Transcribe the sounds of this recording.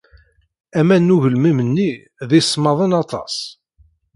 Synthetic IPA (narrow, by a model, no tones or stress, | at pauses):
æmænːuʝəlmimənːi | ðisːmɑðˤənɑt̪ˤɑ̰s